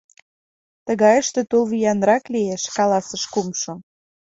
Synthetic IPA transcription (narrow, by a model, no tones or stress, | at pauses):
t̪əɣɑjəʃt̪ĕt̪ulβijɑnɾɑklieʃkɑlɑsə̆ʃkumʃŏ